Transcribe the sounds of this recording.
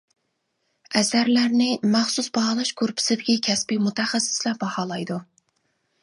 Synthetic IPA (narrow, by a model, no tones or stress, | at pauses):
ɛsæɾlæɾnɪmæχsusbɑhɑːlˠɑʃkʰʊɾpʰɪ̥sɪd̪ɪkʲikʲʰɛsbimut̪ʰɛχæsːɪ̥slæp̚bɑhɑːlˠɑjd̪u